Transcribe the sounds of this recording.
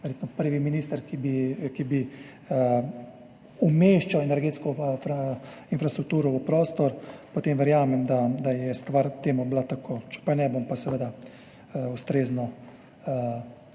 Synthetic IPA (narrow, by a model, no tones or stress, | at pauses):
ʋɛɾjeːt̪nɔpəɾʋiminiːst̪əɾkibikibi | umeːʃt͡ʃawɛnɛɾɡeːt̪skɔfinfɾast̪ɾuk̚t̪uːɾɔupɾoːst̪ɔɾpɔt̪emʋɛɾjaːmɛmd̪ad̪ajɛst̪ʋaɾt̪eːmɔblat̪akʰoːt͡ʃɛ̥pajnɛbompasɛʋeːd̪a | ust̪ɾeːznɔ